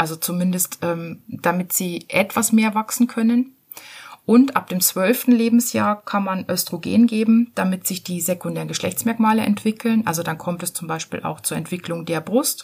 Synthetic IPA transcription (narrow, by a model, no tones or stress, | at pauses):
ʔalzot͡sumɪndəstʔɛːmd̥amɪtz̥iːʔɛtv̥asmeːɐvaksn̩kʰœnən | ʔʊntʔa̰p̚d̥eːmt͡sv̥œlftn̩leːbm̩sjaːɐkʰanmanʔœstʁ̥oɡḛːnɡeːbm̩d̥amɪtz̥ɪçd̥iːzekʊndeːʁənɡəʃlɛ̰çt͡smɛɐkmaːləʔɛ̰ntv̥ɪkʰl̩nʔalzodankʰɔmtɛst͡sʊmbaɪʃpḭːlʔa̰ʊxt͡suːɐɛntv̥ɪklʊŋdeːɐbʁʊst